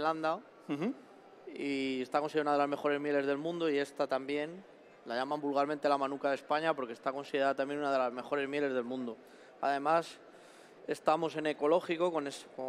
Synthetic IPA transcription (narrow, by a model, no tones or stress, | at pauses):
land̪a | iest̪ako̞nsiðaunaðelazme̞xo̞ɾe̞zmje̞le̞zðe̞lmũnd̪oie̞st̪at̪ambje̞n | laʝamãmbulɣalmẽnt̪elamãnukaðe̞spaɲapo̞ɾkest̪ako̞nsiðeɾaðat̪ambje̞nunaðe̞lazme̞xo̞ɾe̞zmje̞le̞zð̞e̞lmũnd̪o | a̰ðe̞mas | e̞st̪amo̞se̞ne̞ko̞lo̞xiko̞ko̞nesko